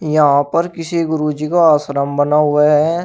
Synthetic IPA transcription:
jɐɦãpəɾkɪsiɡʊɾud͡ʒikaaːsɾəmbənaɦʊaɦɛ

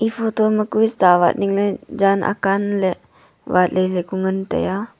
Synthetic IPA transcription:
ʔifot̪oməkuist̪awa̰t̪̚niŋləd͡ʒanʔa̰kanle | wat̪̚lələkuŋənt̪ə̰ja

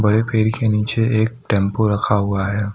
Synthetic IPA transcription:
bɐɾepʰeːɾikenĩːt͡ʃeeːk̚ʈɛ̃ːmpoɾɐkʰaɦʊaɦɛː

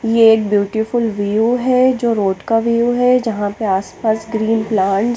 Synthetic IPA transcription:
jeeːk̚bjuːʈifʊlʋijuɦɛd͡ʒoːɾoːʈkaʋijuɦɛd͡ʒɐɦãpeaːspaːsɡɾiːnplaːɳʈ

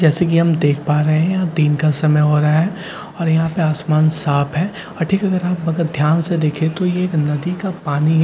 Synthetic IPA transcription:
d͡ʒɛːsekiɦɐmd̪eːkʰpaːɾeɦɛ̃jad̪iːnkasɐməjɦoːɾaaɦɛː | ɔːɾjɐɦãpeaːsmaːnsaːpʰɦɛː | ɔːɾʈʰiːkɐɡəɾaːpɐɡəɾd̪ʱjaːnsed̪eːkʰẽt̪ojeːknɐd̪ikapaːniɦ

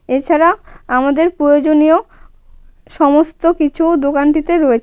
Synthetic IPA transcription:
et͡ɕʰaɾaamad̪eɾpɾojod͡ʑonio | ʃɔmost̪okit͡ɕʰud̪okanʈit̪eɾɔet͡ɕʰ

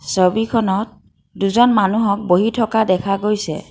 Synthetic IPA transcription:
sobikʰɔnɔt̚ | duzɔnmanuɦɔk̚boɦitʰɔkadɛkʰaɡojsɛ̰

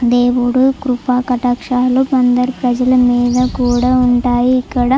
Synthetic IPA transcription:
d̪eːʋuɽukɾupaːkɐʈakʂaːlupɐnd̪ɐɾpɾɐd͡ʒɐlɐmiːd̪ɐkuːɽauɳʈaːjiːkːɐɽɐ

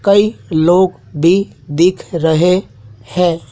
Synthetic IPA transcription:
kəiloɡ | bʱid̪ikʰɾəɦe | hɛ

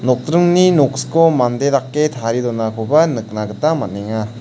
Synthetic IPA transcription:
nɔk̚t̪ɾɯŋninoksɯ̥komand̪edakːet̪ʰaɾid̪ɔnakʰobanɯk̚naɡɯt̪amaneŋa

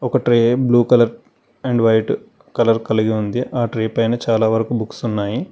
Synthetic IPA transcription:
ɔkɐʈɾeːbluːkɐlɐɾ | eɳɖʋɐjʈ | kɐlɐɾkɐliɡiund̪iʔaːʈɾeːpɐjnɐt͡ʃaːlaːʋɐɾɐkubuksunːaːji

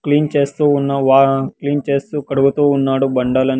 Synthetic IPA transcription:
kliːnt͡ʃe̞ːst̪uːunːɐʋaːkliːnt͡ʃe̞ːst̪uːkɐɽuɡut̪uːunːaːɽubɐɳɖaːlɐn

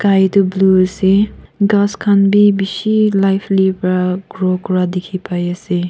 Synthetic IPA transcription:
kajtubluɐsiɡaskʰanbibisilajpʰlipɾaɡɾokuɾadikʰipʰajasi

